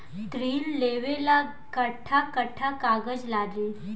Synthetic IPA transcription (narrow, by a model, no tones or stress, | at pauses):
t̪ɾiːlːeʋela | kəʈʰːakəʈʰakaɡəd͡ʑlad̪iːl